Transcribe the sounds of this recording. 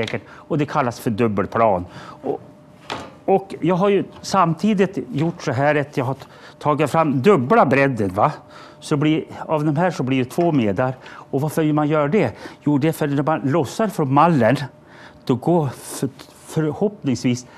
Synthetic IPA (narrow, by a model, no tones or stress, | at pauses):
ɛkəʈɔd̪ɛkʰalːasfœɖɵbːəlpʰlɑ̰ːnɔ | ɔkjɑːɡɦaɾjɵsamt̪ʰiːd̪ɪt̪jʊʈːsɔɦæːɾat̪ʰjɑːɡɦa | tʰɑːɡɪt̪fɾamːd̪ɵbːlabɾɛd̪ːənva | sɔblɪɾavd̪ɔmɦæːʂɔblɪɖɛt̪ʰvoːmeːd̪aɾɔvaɾfəɪlmanjœːɾaɖɛjuːɖ̪æfœɾnæɾmanlɔsːaɾfɾɔnmalːən | d̪̥ɔɡoːf | fœɾhɔpnɪŋsviːs